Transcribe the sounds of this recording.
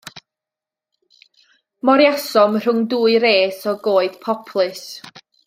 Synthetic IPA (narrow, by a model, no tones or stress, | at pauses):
mɔɾjasɔmr̥ʊŋduːɨɾeːsɔɡoːɨð̥pʰɔpʰlˠɨs